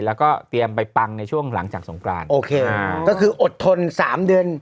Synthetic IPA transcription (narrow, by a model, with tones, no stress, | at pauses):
lɛː˦˥wkɔː˥˩t̪i˧əmpa˧jpa˧ŋna˧jt͡ɕʰu˥˩əŋla˩˦ŋt͡ɕaː˨˩k̚so˩˦ŋkʰɾa̰ː˧nʔoː˧kʰeː˧a˧˩kɔː˥˩kʰɯː˧ʔo˨˩t̪ʰːo˧nsaː˩˦mdɯ˧ən